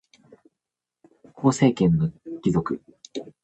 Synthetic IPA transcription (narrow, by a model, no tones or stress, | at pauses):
kʰo̞ːse̞ːkẽ̞nːokʲizo̞kɯ̟